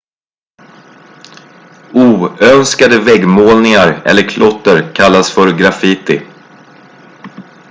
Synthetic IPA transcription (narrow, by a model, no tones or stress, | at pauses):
uːœnskad̪əvɛɡmoːlnɪŋaɾɛ̰lːəɾkʰlɔt̪ːəɾkʰalːasfœɾɡɾafit̪ɪ̰